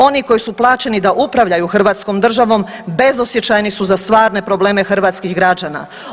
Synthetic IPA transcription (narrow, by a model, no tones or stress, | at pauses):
o̞niko̞jisuplˠaːt͡ʃe̞nid̪aʔupɾaʋʎajuxr̩ʋaːt̪sko̞ːmd̪r̩ʒaʋo̞ːm | be̞zosjet͡ɕajnisuzast̪ʋaːɾne̞pɾo̞blˠe̞ːme̞xr̩ʋaːt̪skiɦɡɾad͡ʑaːna̰